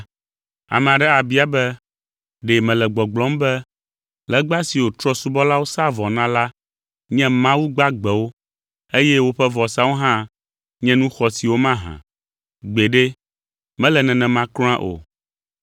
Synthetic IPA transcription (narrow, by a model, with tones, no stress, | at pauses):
a̰˨mɛ̃˨a˨ɖɛ˦a˨bi˦a˨bɛ˦ | ɖe˨mɛ̃˨lɛ˨ɡ͡bɔ˨ɡ͡blɔ̃˦mbɛ˦ | lɛ˦ɡ͡ba˦si˨wo˨t̪ɾɔ˦su˦bɔ˦la˦wo˦sa˦vɔ˨nã˦la˦ | ɲɛ̃˦mã˦wu˦ɡ͡ba˦ɡ͡bɛ˨wo˦ | e˦jɛ˦wo˦ɸɛ˦vɔ˨sa˦wo˦ɦã˦ | ɲɛ̃˦nũ˦xɔ˨si˨wo˦mã˦ɦã̰˨ | ɡ͡be˨ɖe˦ | mɛ̃˦lɛ˨nɛ̃˨nɛ̃˨mã˦kl̃ã˦ʔo̰˨